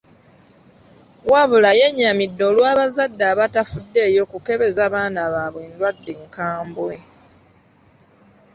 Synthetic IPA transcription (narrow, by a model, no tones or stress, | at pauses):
waβulaje̞ɲːamidːo̞ːlwaːβazadːaːβatafudːe̞ːjo̞kuke̞βe̞zaβaːnaβaːβwe̞ːndwadːeːŋkaːmbwe̞